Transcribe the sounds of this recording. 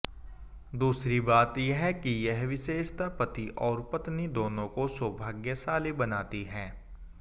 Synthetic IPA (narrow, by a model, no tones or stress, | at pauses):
d̪uːsɾibaːt̪jeɦɛkijɛɦʋɪʃeːʃt̪apɐt̪iʔɔːɾpɐt̪nid̪oːnõkoswɐbʱaːɡjəsaːlibɐnaːt̪iɦɛː